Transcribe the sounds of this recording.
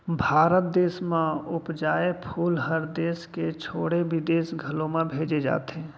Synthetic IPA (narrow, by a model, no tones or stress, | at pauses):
bʱaːɾət̪̚d̪eːsmẽʊpd͡ʒaːepʰuːlɦəɾd̪eːsket͡ʃʰoːɽeʋɪd̪eːsɡʱəlõmẽbʱeːd͡ʒed͡ʒa̰ːt̪eɦɛ̃ː